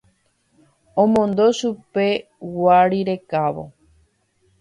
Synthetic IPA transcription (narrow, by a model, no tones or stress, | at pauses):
õmõ̞nd̪o̞ʃupe̞ | waɾiɾe̞kaʋo̞̰